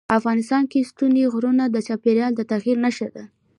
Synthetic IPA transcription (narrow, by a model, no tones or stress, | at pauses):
afɣɑnɪst̪ɑnkest̪uniɣɾunad̪ət͡ʃɑpeɾjɑld̪ət̪aɣiɾnaʃəd̪a